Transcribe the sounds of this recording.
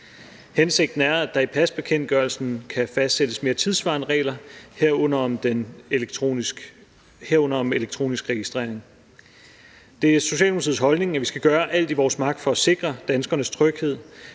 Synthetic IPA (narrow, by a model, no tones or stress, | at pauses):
hense̝ɡ̥̚d̥n̩æɐæd̥ɑ̈ipʰæsb̥e̝kʰen̰d̥̚ɡ̥ɶɐl̩sn̩kʰæfæsd̥sed̥əsme̝ːɐt͡sʰið̞ˠsʋɑ̈ːnəʁɛ̰ːlɐheɐ̰nɐɒd̥en | heɐ̰ɔ̽nɐɒ̽meleɡ̥̚t͡sʰʁo̝̰ːnisɡ̥ʁɛɡ̥isd̥ʁḛɐ̰e̝ŋ | d̥e̝æɐso̝ɕɛ̰ːlmounʰið̩ˠsɦɒ̽lne̝ŋæʋisɡ̥æɡ̥ɶːɐʔæl̰d̥iʋɒːsmɑ̈ɡ̥̚d̥fɒ̽æse̝ɡ̥ʁɐd̥ænsɡ̥ɐnəst͡sʰʁœɡ̥he̝ð̰ˠ